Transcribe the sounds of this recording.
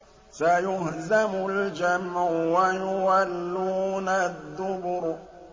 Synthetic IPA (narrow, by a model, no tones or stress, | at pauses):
sajʊhzamʊld͡ʒamʕʊwajʊwalːuːnaðːʊbʊɾ